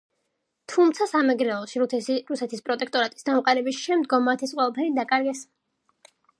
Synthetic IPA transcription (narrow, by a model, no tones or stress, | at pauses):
t̪ʰumt̪sʰasamɛɡɾɛlɔʃiɾusɛt̪ʰispʼɾɔt̪ʼɛk̚ʰt̪ʼɔɾat̪ʼi̥sd̪amqʼaɾɛbisʃɛmd̪ɡɔmːat̪ʰɛsqʼwɛlˠapʰɛɾid̪akʼaɾɡɛs